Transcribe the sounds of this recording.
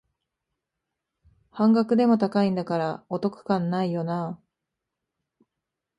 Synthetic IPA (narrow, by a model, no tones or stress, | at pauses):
hãŋɡakɯ̟d̪e̞mo̞t̪akaĩnd̪akaɾao̞t̪o̞kɯ̥kãnːaijo̞na